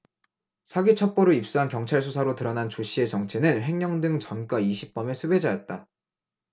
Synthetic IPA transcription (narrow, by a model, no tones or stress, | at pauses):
sʰaɡit͡ɕʰʌk̚p͈oɾɯip̚s͈uɦankjʌŋt͡ɕʰaɭsʰusʰaɾotɯɾʌnant͡ɕoɕ͈ʰie̞t͡ɕʌŋt͡ɕʰe̞nɯnɸe̞ŋɲʌŋdɯŋt͡ɕʌnk͈waiɕʰip̚p͈ʌme̞sʰube̞d͡ʑajʌt̚t͈a